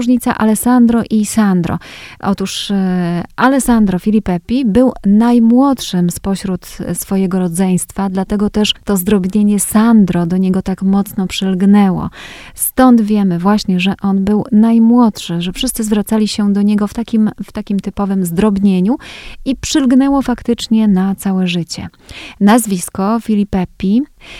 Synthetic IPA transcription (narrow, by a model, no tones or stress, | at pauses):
ʐɲit̪sa̰ʔalɛsand̪ɾɔʔisand̪ɾɔ̰ʔɔt̪uʂ | ʔalɛsand̪ɾɔfʲilʲipɛpʲibɘwnajmwɔt̪ʂɘmspɔɕɾut̪sfɔjɛɡɔɾɔd̪zɛj̃st̪fad̪lat̪ɛɡɔt̪ɛʂt̪ɔzd̪ɾɔbɲeɲɛsand̪ɾɔd̪ɔɲɛɡɔt̪akmɔt̪snɔpʂɘlɡnɛwɔ̰st̪ɔnd̪vʲjɛmɘvwaɕɲɛʐɛʔɔnbɘwnajmwɔt̪ʂɘʐɛfʂɘst̪sɘzvɾat̪salʲiɕɛd̪ɔɲɛɡɔft̪akʲimft̪akʲimt̪ɘpɔvɘmzd̪ɾɔbɲeɲuipʂɘlɡnɛwɔfakt̪ɘt͡ʂɲɛnat̪sawɛʐɘt͡ɕɛ̰nazvʲiskɔfʲilʲipɛpʲi